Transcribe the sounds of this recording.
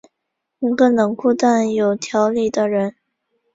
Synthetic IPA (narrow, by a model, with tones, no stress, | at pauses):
nə˧˥ŋɡə˥˧nɤ˧˥ŋkʰu˥˧t̪a˥˩njo˨˩ʊt̪ʰjɑ˧˥ʊli˥˩d̪ə˦ɻə˧˥n